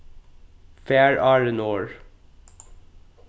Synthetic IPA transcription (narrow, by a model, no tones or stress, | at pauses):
fæːɹʔɑːɹənoːɹ